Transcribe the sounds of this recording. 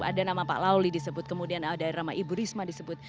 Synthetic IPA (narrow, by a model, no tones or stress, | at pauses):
a̰danamapa̰ʔlawlidisəbʊt̪̚kəmudianədaiɾamaʔibuɾismadisəbʊt̪̚